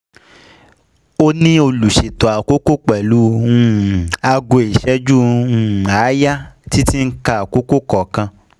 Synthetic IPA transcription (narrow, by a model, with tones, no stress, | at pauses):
o˦nĩ˦o˧lu˨ʃe˨tɔ˨a˨ko˦ko˦k͡pɛ˨lu˦ũ˦˨a˧ɡo˧i˨ʃɛ˦d͡ʒu˦ũ˦˨a˨˦ja˦ti˦ti˦ŋ̩˦ka˧a˨ko˦ko˦kɔ˨kã˧